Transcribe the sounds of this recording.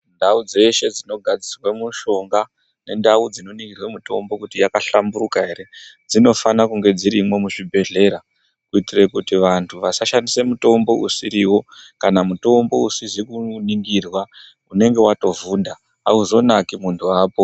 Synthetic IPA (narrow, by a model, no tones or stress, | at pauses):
ndaud͡ze̞ʃe̞d͡zino̞ɡʱad͡zirwemuʃo̞ŋɡa | ne̞ndaud͡zino̞niŋɡirwemuto̞mbo̞kutijakaɬambuɾukaɦe̞ɾe̞d͡zino̞fanakuŋɡe̞d͡ziɾimwe̞muʐibʱe̞ɮe̞ɾa | kuitire̞kutiʋantʰuʋasaʃanise̞muto̞mbo̞usiɾiwo̞kanamuto̞mbo̞usizikuniŋɡirwa | une̞ŋɡe̞wato̞vuːnda | a̰uzo̞nakimuntʰuaːpo